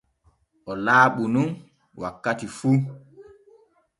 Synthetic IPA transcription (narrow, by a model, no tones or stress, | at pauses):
ʔɔlaːɓunun | wakːatifuː